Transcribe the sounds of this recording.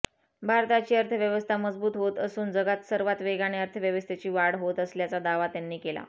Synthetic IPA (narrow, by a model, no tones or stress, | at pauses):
bʱaɾt̪at͡ɕiːəɾt̪ʰəʋjəʋəst̪ʰaməd͡zbuːt̪ɦot̪əsuːnd͡zəɡat̪səɾʋat̪ʋeɡaɽ̃eəɾt̪ʰəʋjəʋəst̪ʰet͡ɕiːʋaɽɦot̪əsljat͡sad̪aʋat̪janːiːkela̰